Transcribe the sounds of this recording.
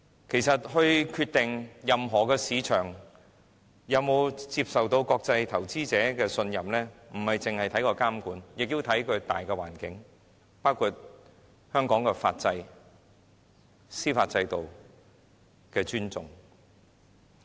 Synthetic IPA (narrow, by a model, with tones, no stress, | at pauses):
kʰe˨˩jsɐ˨t̚hɵ˧ɥkʰyː˧t̪ɪ˨ŋjɐ˨mɦɔː˨˩kɛː˧siː˨˧t͡ʃʰœː˨˩ŋ | jɐ˨˧wmo˨˧wt͡siː˧p̚sɐ˨wt̪o˧wkɔː˧k̚t͡sɐ˧jt̪ʰɐ˨˩wt͡siː˥t͡sɛː˨˥kɛː˧sɵ˧njɐ˨mlɛː˥m̩˨˩hɐ˨jt͡sɪ˨ŋhɐ˨jt̪ʰɐ˨˥jkɔː˧kaː˥mkuː˨˥njɪ˨k̚ji˧wt̪ʰɐ˨˥jkʰɵ˨˧ɥt̪a̰ː˨jkɛː˧wa̰ː˨˩nkɪ˨˥ŋ | paː˥wkʰu˧t̚ | hœː˥ŋkɔː˨˥ŋkɛː˧fa̰ː˧t̚t͡sɐ˧j | siː˥fa̰ː˧t̚t͡sɐ˧jt̪o˨w | kɛː˧t͡ʃyː˥nt͡sʊ̰˨ŋ